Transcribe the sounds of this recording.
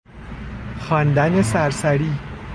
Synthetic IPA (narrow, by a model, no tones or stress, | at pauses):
xɒːnd̪ænesæɾsæɾiː